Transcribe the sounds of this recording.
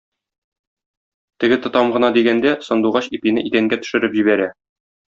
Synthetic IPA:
t̪ɘ̆ɡɘt̪ŏt̪ɑmʁɤ̆nɑd̪iɡænd̪æsɤ̆nd̪uʁɑɕipinɘʔit̪æŋɡæt̪ɵ̥̆ʃɘ̆ɾɘpʑiβæɾæ

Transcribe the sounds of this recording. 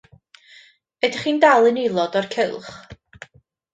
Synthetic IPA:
ɛdɪχiːndalˠɨnelˠɔdɔrkʰɪlˠχ

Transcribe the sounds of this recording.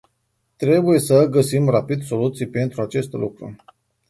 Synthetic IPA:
t̪ɾe̞buje̞səɡəsimrapid̪so̞lut̪sijpe̞nt̪ɾuat͡ʃe̞st̪lṵkɾṵ

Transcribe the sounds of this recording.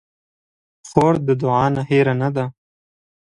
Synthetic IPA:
xoːɾd̪əd̪ʊʕɑːnaheɾanad̪a

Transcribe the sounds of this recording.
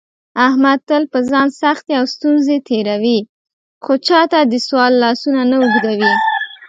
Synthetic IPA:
ahmad̪̚t̪əlpəzɑnsaxt̪eawst̪unzet̪eɾawi | xot͡ʃɑt̪ad̪əswɑlːɑsunanauɡd̪awi

